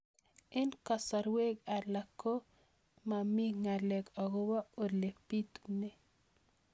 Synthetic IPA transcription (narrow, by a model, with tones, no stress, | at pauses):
ɛ˦nka˨sa˨ɾwe˦ɡa˨la˨kːo˦ | ma˨mi˦ŋa˨lɛ˨kɔ˨ɡɔ˦wa˦o˨le˨pi˦t̪u̥ne˨